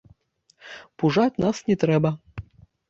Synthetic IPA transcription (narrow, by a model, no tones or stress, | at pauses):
puʐatʲnasnʲɛt̪ɾɛbɐ